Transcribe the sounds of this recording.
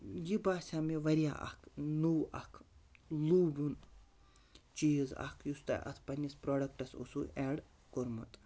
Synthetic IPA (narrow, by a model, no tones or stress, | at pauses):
jibaːsʲaːmiʋɐɾja̰ːʔɐ̰kʰnuwɐ̰kʰluːbun | t͡ʃiːzɐ̰kʰjust̪a̰ʔɐ̰t̪ʰpɐnʲispɾoːɖɐk̚ʈɐso̰sṵɛːɽ | koɾmṵt̪ʼ